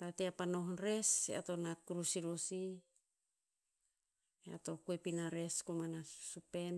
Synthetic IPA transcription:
tateapanoɦnɾesḛa̰to̞nakuɾusiɾosi | ea̰to̞kuepinaɾe̞skumanasupen

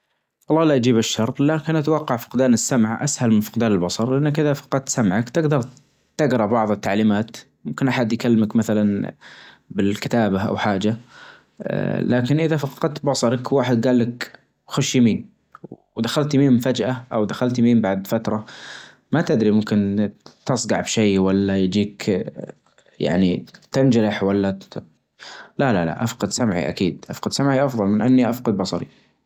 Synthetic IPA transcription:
wɑlˤːɑːlaʔd͡ʒiːbɪʃːɑɾˤt̪ˤlaːkɪnʔat̪awɑqːɑʕfɑ̥qd̪aːnɪsːamʕʔa̰shalmɪnfɑ̥qd̪aːnɪlbɑsˤɑɾˤlʔanːakʔɪðafɑ̥qɑd̪̚t̪samʕakt̪ɪɡd̪ɑɾˤ | t̪ɪɡɾˤɑbɑʕðˤɨt̪ːaʕliːmaːt̪ | mʊmkɪnʔaħad̪jkalːmakmaθalan | bɪlkɪt̪aːbaʔa̰wħaːd͡ʒa̰ | laːkɪnʔɪðafɑqɑd̪̚t̪bɑsˤɑɾˤɑkwaːħɪd̪̚ɡaːlːak | xʊʃjamiːn | d̪axalt̪miːmfad͡ʒʔaʔawd̪axalt̪miːmbaʕd̪fat̪ɾˤɑ | mat̪ɪd̪ɾimʊmkɪnt̪ɑsˤɡɑʕbʃeːwalːajd͡ʒiːk | ja̰ʕnit̪ɪnd͡ʒaɾɪħwalːa | lalala̰ʔafqɑd̪samʕḭʔa̰kiːd̪ʔafqɑd̪samʕiʔɑfðˤɑlmɪnʔanːiʔafqɑd̪̚bɑsˤɑɾḭ

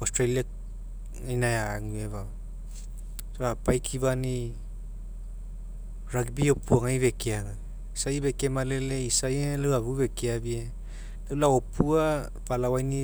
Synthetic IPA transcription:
ostɾalia | ajnajaːŋueβa | soapajkʰiβani | ɾaɡbiopuaŋaiβekiaŋa | sajiβekemaleleisajeleaβuβekiabie | lalaopʰua | balawajni

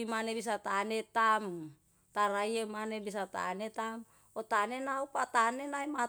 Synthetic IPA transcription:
imanebis̬at̪aːnet̪am | t̪aɾaiemanebis̬at̪a̰net̪am | ot̪anenaupat̪anenaima

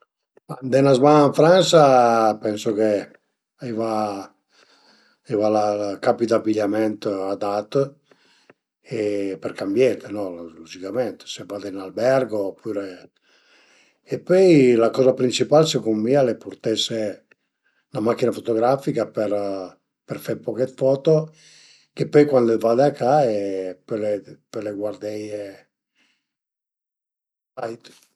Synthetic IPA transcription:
and̪ɛnazmanaɱfɾansapɛnsoke | iva | ivalakapit̪abiʎamɛnt̪ad̪at̪ | epɛɾkambjɛt̪enɔlud͡ʒikamɛnt̪e̥sebad̪enalbɛrɡopʰːuːɾe | pːøjlakɔːzapɾint͡ʃipalsekomːialeport̪ese | namakːinafot̪oɡɾafikapeɾ | peɾfeɾpɔket̪fɔt̪o | k̟epːɔjkwand̪evad̪eakːaepɔlepɛleɡward̪ɛje | ajt̪

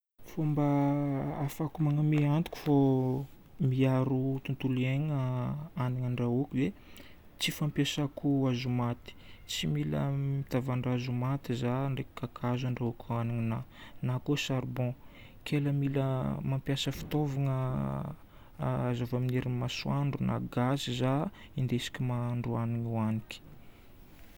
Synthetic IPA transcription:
fombaafakumaŋəmeant̪u̥kʲu̥fo | miaɾut̪unt̪uleŋaaniŋaɳɖ͡ʐaukuve | t͡sifampjasakuazumat̪i̥t͡similə̰mit̪avaɳɖ͡ʐazumat̪izaɳɖ͡ʐeki̥kakʰazaɳɖ͡ʐaukʲʰuaniŋinanakosaɾbɔ̃ | kʰeləmiləmampjasəfi̥t̪ovaŋə | azavamineɾimaswaɳɖ͡ʐuna̰ɡazizaind̪esi̥kʲimaɳɖ͡ʐuaniŋuaniki̥

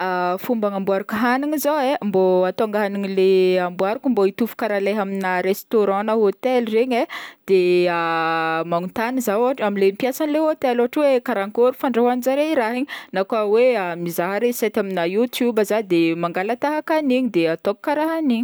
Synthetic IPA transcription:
afumbaŋambuaɾukəɦaniŋizoemboat̪oŋɡaɦaniɲileambuaɾukumboit̪ufu̥kaɾaleɦaminaɾest̪oɾɑ̃naɦot̪elreɲed̪̥eamaŋut̪anizaaʈ͡ʂaminlempjasanileot̪eloaʈ͡ʂwekaɾaŋkoɾufaɳɖ͡ʐaɦanizaɾeiɾaɦiɲinakaweamizaɦaɾesɛt̪aminajut̪jubazad̪emaŋɡalat̪aɦakaniɲid̪eat̪okkaɾaɦaniɲi̥

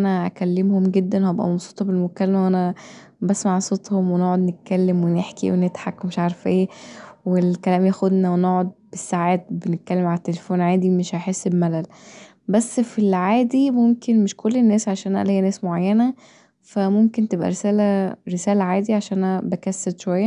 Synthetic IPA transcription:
ʔænæʔæ̰kælːemhomɡed̪ːænhæbʔæ̰mɑbsˤuːt̪ˤɑbelmokælːæmæwʔænæ | bæsmaʕsˤot̪ˤhomwenoʕod̪net̪̚kælːemweneħkḭwenet̪ħakːomeʃʕaːɾˤefʔeːwelkælæːmjæxod̪næwenoʕod̪̚besːaʕaːt̪̚benet̪̚kælːemʕalæt̪ːelefoːnʕaːd̪imeʃʕaħesːebmælæl | bæsːfilʕaːd̪imomkenmeʃkolːenːæːsʕaʃæːnʔæ̰lhejːænæːsmoʕajːænæ | fæmomkent̪ebʔæ̰ɾesæːlæɾesæːlæʕaːd̪iʕaʃæːæbækæsːæd̪ʃowæjːæ

